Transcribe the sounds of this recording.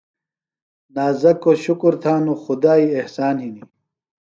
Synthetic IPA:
naːzɐkːoɕukuɾt̪ʰaːnuxʊd̪aːiehsaːnɦini

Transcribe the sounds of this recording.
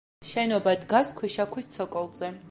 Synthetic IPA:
ʃɛnɔbad̪ɡaskʰwiʃakʰwist̪sʰɔkʼɔlˠzɛ

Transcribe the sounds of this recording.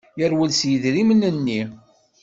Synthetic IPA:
jəɾwəlsjəðɾimənənːi

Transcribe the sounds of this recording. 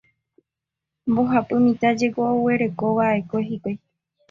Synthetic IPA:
mboɦapɨmĩt̪ad͡ʒe̞ɡowe̞ɾe̞koʋaekoɦikʷe

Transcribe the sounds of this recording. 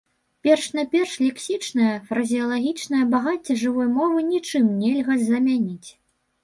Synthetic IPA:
pʲɛrʂnapʲɛrʂlʲɛksʲit͡ʂnɐjɐfɾɐzʲijɐlˠaɣʲit͡ʂnɐjɐbaɣat͡sʲːɐʐɨvɔjmɔvɨnʲit͡ʂɨmnʲɛlʲɣɐzɐmʲanʲit͡sʲ

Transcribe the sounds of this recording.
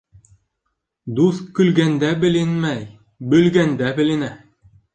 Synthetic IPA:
d̪uθkɵ̆lɡænd̪æbɘ̆lɘnmæj | bɵ̆lɡænd̪æbɘ̆lɘ̆næ

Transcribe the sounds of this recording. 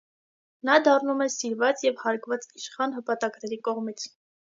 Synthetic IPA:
nɑd̪ɑrnumɛsiɾvɑt͡sjɛvhɑɾkvɑt͡siʃχɑnɦəpɑt̪ɑkɾɛɾikɔʁmit͡sʰ

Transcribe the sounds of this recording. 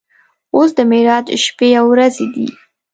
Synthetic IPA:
osd̪əmeɾɑd̪ʃpejawɾazed̪ḭ

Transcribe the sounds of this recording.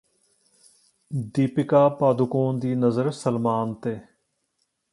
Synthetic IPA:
d̪iːpɪkaːpaːd̪ʊkõːnd̪iːnəzəɾsəlmaːnt̪eː

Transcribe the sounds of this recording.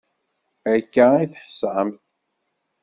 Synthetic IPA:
ækːæiθħə̥sʕəmθ

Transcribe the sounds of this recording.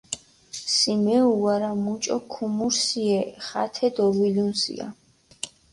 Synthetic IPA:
simɛuaɾamut͡ʃʼɔkʰumuɾsiɛχa̰t̪ʰɛd̪ɔvilunsḭa̰

